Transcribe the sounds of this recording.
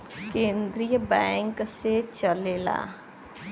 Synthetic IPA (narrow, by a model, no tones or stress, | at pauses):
keːnd̪ɾijəbɛ̃ːŋkset͡ʃəleːla̰ː